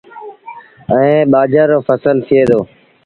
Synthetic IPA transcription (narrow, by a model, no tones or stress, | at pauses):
əẽːɓaːd͡ʒaːɾoːfəsəlt̪ʰɪeːd̪oː